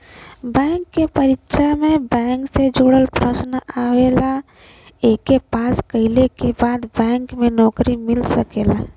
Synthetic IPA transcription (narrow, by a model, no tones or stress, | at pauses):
bɛ̃ːŋkːepəɾɪtːʃamẽbɛ̃ːŋksed͡ʒoɽəlpɾəsnaweːla | ekːepaːskəɪlekebaːd̪bɛ̃ːŋkmẽnɔːkɾimɪlsəkeːla